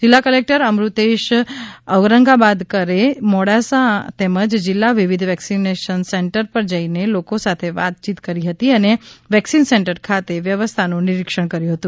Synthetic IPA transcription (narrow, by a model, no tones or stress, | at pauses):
d͡ʒɪlːakəlek̚ʈəɾəmɾut̪eʃəʋɾəŋɡabad̪kəɾemɔɽasãt̪eməd͡ʒd͡ʒɪlːaʋiʋid̪ʱʋɛksineʃənsɛɳʈəɾpəɾd͡ʒəinelokosat̪ʰeʋa̰t̪̚t͡ʃit̪kəɾiɦət̪iəneʋɛksinsɛɳʈəɾkʰat̪eʋjəʋəst̪ʰanũnɪɾikʃəɳkəɾjũɦət̪ũ